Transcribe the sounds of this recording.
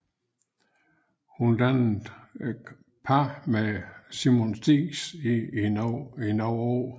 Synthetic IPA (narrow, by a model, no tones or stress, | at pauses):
hund̥ænd | pʰɑmesimonsd̥iɡ̥si | inɒʊɔː